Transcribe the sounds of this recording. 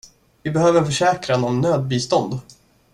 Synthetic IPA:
vɪbɛhøːvəɾnfœʂɛːkɾanɔmnøːd̪̚biːst̪ɔnd̪

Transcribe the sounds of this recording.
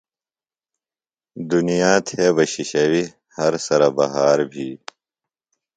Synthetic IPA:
d̪unijaːt̪ʰeːbɐɕiɕɐwi | hɐɾsɐɾɐbɐɦaːɾbʱiː

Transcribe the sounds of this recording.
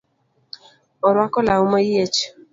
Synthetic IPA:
ɔɾwakɔlaumaiet͡ʃ

